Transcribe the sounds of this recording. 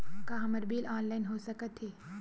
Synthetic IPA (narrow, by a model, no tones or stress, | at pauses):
kaɦɐmɐɾbiːlaːnlaːɪnɦoːsɐkət̪ɦeː